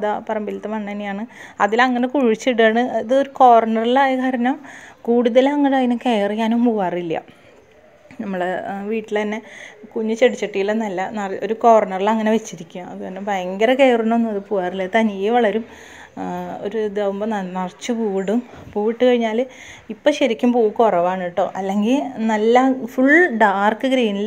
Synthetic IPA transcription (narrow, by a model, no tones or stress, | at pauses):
ɐðapɐrɐjmbilt̪ːɐmɐɳːenːijaːɳɨɐðilɐŋːɐne̞kuɻit͡ɕːiʈːaːɳɨɐðɨoɾukoːʋɐrɐɳɐrilaːjɐkʰɐɾɐnɐmkuːɽuðɐlɐŋːɐnɐinɐkejrijaːnumpuːaːrilːɐ̰ | nɐmːuɽeʋiːʈːilt̪ɐnːe̞kuɲːut͡ɕeɽit͡ɕːɐʈːijilenɐlːɐnɐro̞ɾukoʋɐrɳɐrilɐŋːɐne̞ʋet͡ɕːiɾikʲːuaɐðukɐnːebɐjɐŋɡɐɾɐkejrinonːumɐðɨpuːaːrilːɐt̪ɐnijeʋɐɭɐɾum | o̞̰ɾud̪eʋmbɐnɐnɐrt͡ɕːɨpuːɽum | puːiʈːɨkɐɻiɲːaːl | ipːoɕɐɾikʲːumpuːukorɐʋaːɳiʈːoːʔɐlːe̞ŋɡilnɐlːɐfuɭɖaːrkːɨɡɾejnil